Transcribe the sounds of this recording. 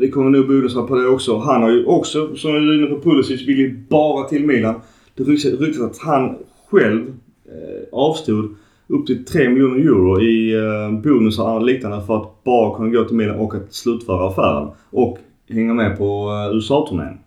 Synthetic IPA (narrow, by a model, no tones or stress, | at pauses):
vɪkʰɔmːəɾnʉːbuːnəsapʰɔd̪ɛɔksɔɦanhaɾjɵʔɔksɔsɔmɪɪnːəpɔpʰʊlɵsiːsvɪljbɑːɾat̪ʰɪlmiːlan | d̪̥ɛɾʏɾʏk̚t̪asat̪han | ɧɛlv | ɑːvst̪uːd̪ | ɵp̚t̪ʰɪlt̪ʰɾeːmɪljuːnəɾjuːɾʊɪbuːnɵsaliːk̚nanəfœɾat̪̚b̥ɑːɾakʰɵnːaɡoːt̪ʰɪlmiːlanɔkːat̪slʉ̟ːt̪fœːɾaːfæ̰ːɾə̰nʔɔk | hɛŋːamɛpʰɔʉsɑːt̪ʰʊmḛːn